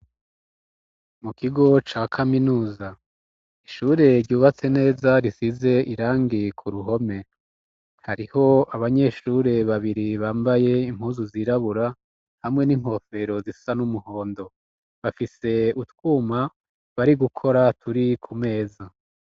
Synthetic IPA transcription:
mukiɡo̞t͡ʃaːkʰaminuːza | iʃuːɾe̞ɾɟuːβat͡se̞ne̞ːzaɾisize̞ʔiɾaːŋɡikʰuɾuɦo̞me̞ | haɾiho̞aβaɲe̞ʃuɾe̞βaβiɾiβaːmbaje̞im̥huːnzuziɾaβuɾa | hamŋe̞nim̥ho̞fe̞ɾo̞zisanumuho̞ːndo̞ | βafise̞utwuːma | βaɾiɡukʰo̞ɾatʰuɾikʰume̞ːza

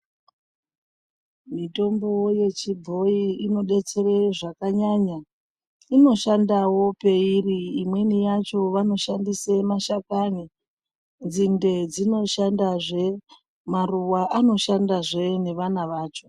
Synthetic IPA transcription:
mito̞mbo̞je̞t͡ʃibʱo̞iino̞ɗe̞t͡se̞reʐakaɲaɲa | ino̞ʃandawo̞pe̞iriːmwe̞nijat͡ʃo̞ʋano̞ʃandisemaʃakani | nd͡zinde̞d͡zino̞ʃandaʐe̞ | maruwaʔano̞ʃandaʐe̞ne̞ʋanaʋaːt͡ʃo̞

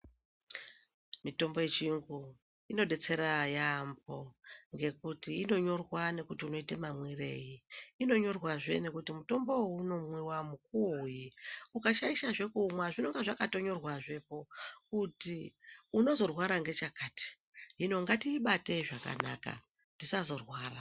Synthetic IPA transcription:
mito̞mboje̞t͡ʃiuŋɡu | ino̞ɗe̞t͡se̞ɾajamb̚o̞ŋɡe̞kutiːno̞ɲo̞rwane̞kutiuno̞itemamwire̞̰jiːno̞ɲo̞rwaʐe̞̰ne̞kutimuto̞mbo̞uno̞mwiwamuk̚uojiukaʃaiʃaʐe̞kumwaʐino̞ŋɡeʐakato̞ɲo̞rwaʐe̞po̞kutiuno̞zo̞rwaɾaŋɡe̞t͡ʃakaːti̥ | ɦino̞ŋɡatiːɓate̞ʐaka̰na̰ka̰ | ndisazo̞rwaːra

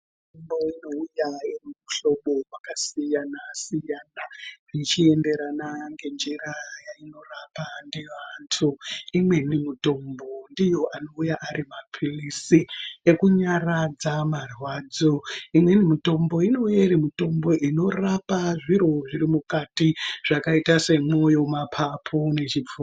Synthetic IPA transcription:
tttomboino̞ujairumuɬo̞ɓo̞makasijanasijaːnarit͡ʃie̞nde̞ɾanaŋɡe̞nd͡ʒeɾajaino̞rapandeʋantʰuimwe̞nimito̞mbo̞ndijo̞ʔano̞ujaʔaɾimapʰirisie̞kuɲarad͡zamarwaːd͡zoimwe̞nimito̞mbo̞ino̞eɾimito̞mbo̞ʔino̞rapaʐiɾo̞ʐiɾimukatiʐ̥akaitase̞mwo̞jo̞mapʰapʰo̞ne̞t͡ʃiuː

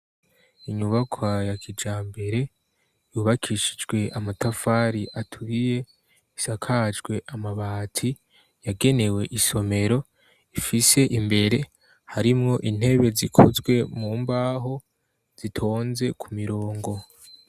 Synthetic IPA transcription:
iɲuβakʰwajakʰid͡ʒaːmbe̞ɾe̞ | juβakʰiʃid͡ʒɡwe̞ʔamatafaɾiʔatʰuɾije̞ | isakʰad͡ʒɡwe̞ʔamaβaːtʰi | jaɡe̞ne̞we̞ʔiso̞me̞ɾo̞ | ifise̞ʔimbe̞ɾe̞ | haɾimŋo̞ʔin̥e̞βe̞zikʰozɡwe̞muːmbaːɦo̞ | z̥itʰo̞ːnze̞kʰumiɾoːŋɡo̞

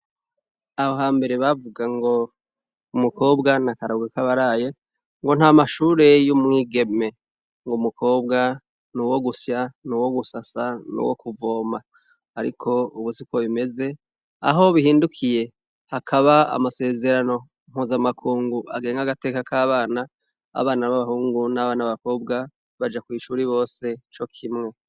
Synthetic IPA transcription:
aho̞ɦaːmbe̞ɾe̞βavuɡaŋɡo̞ | umuko̞ːbɡanakaɾoɡakaβaɾaːje̞ | ŋɡo̞n̥haːmaʃuːɾe̞jumŋiːɡe̞me̞ | ŋɡumukʰo̞ːb̚ɡa | nuwo̞ɡusjanuwo̞ɡusasanṵwo̰kuvo̞ːmaː | ɾḭkʰo̞uβusikwoβime̞ze̞ | a̰ɦo̞βihiːndukʰije̞ | hakʰaβaa̰mase̞ːze̞ɾano̞ | m̥huːzamakʰuːŋɡuʔa̰ɡe̞ːŋɡaɡate̞ːkakʰaːβaːna | a̰βaːnaβaβahuːŋɡunaβaːnaβaβako̞ːb̚ɡa | βad͡ʒakwiːʃuːɾiβo̞ːse̞t͡ʃo̞kʰimŋe̞

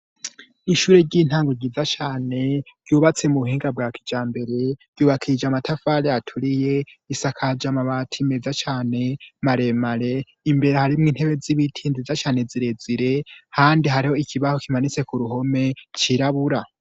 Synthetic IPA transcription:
iʃuːɾe̞ɟin̥haːŋɡoɟizat͡ʃaːne̞ɾɟuːβat͡se̞muβuhiːŋɡab̚ɡaːki̥d͡ʒaːmbe̞ɾe̞ɾ̥ɟjuːβakʰiid͡ʒamatʰafaɾeatʰuɾije̞isakʰad͡ʒamaβatʰime̞zat͡ʃaːne̞maɾe̞maɾe̞ | imbe̞ɾehaɾimŋiːnhe̞βe̞ziβitʰiːnzizat͡ʃaːneziɾe̞ziɾe̞haːndiɦaɾiho̞ikʰiβaho̞kimanit͡se̞kuɾuɦo̞me̞t͡ʃiɾaβuɾa

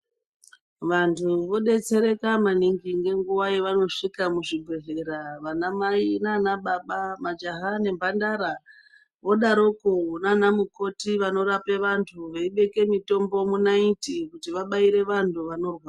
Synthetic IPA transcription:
ʋantʰuʋo̞ɗe̞t͡se̞ɾe̞kamaniŋɡiŋɡe̞ŋɡuʋajeʋano̞ʂikamuʐiɡʱweɦeɾaʋanamainanaɓaɓamad͡ʒaɦane̞mbandaɾa | ʋo̞ɗaɾokonanamuko̞tiʋano̞ɾape̞ʋantʰuʋeiɓe̞ke̞mito̞mbo̞munaitikutiʋaɓaiɾe̞ʋantʰuʋano̞rwaa

